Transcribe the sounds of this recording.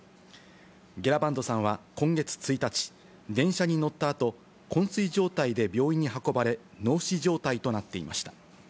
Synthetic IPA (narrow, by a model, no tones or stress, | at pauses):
ɡe̞ɾabãnd̪o̞sãɰ̃βakõ̞ŋɡe̞t͡sɨ̥t͡sɨit̪at͡ɕi̥ | d̪ẽ̞ɰ̃ɕaɲ̟ino̞t̪ːaːt̪o̞ | kʰõ̞ɰ̃sɨiʑo̞ːt̪aid̪e̞bʲo̞ːiɲ̟ihako̞baɾe̞ | no̞ːɕiʑo̞ːt̪ait̪o̞nat̪ːe̞ḭma̰ɕi̥t̪ḁ